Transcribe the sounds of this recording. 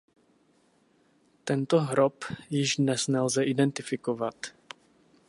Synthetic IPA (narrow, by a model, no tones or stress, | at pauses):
t̪ɛnt̪oɦɾopjɪʒdnɛsnɛlzɛʔidɛnt̪ɪfɪkovat̪